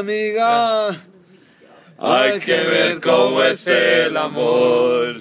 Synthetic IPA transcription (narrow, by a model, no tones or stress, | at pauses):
miɣa | ajkeβeɾkomoeselamoɾɾ